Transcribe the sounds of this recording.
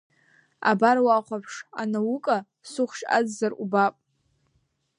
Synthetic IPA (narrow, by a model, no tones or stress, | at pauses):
a̰baɾwaχʷapʰʂanawukʼa | sʊχʷʃa̰d͡zːarubapʼ